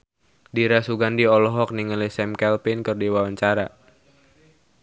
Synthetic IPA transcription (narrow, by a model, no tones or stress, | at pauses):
diɾasuɡandiɔlɔɦɔk̚niŋəlisɛmkɛlpinkərdiwawaɲt͡ʃaɾa